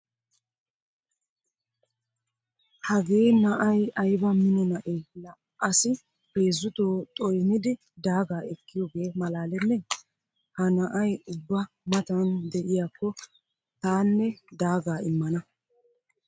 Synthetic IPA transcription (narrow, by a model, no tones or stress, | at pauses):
hɐɡe̞ːnɐʔɐjɐjbɐmɪnɔnɐʔelɐ | ʔɐsɪ | peːzːʊt̪oːt̪ʼɔjnɪd̪ɪ | d̪aːɡaːɛkːɪjɔɡe̞ːmɐlaːlɛnːɛ | hɐnɐʔɐjʊbːɐ | mɐt̪ɐnd̪ɛʔɪjaːkːɔ | t̪aːnːɛd̪aːɡaːɪmːɐnɐ